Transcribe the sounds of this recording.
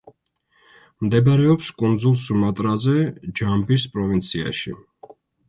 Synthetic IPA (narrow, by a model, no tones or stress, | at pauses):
md̪ɛbaɾɛɔpskʼund̪zulˠsumat̪ʼɾazɛd͡ʒambispʼɾɔvint̪sʰia̰ʃḭ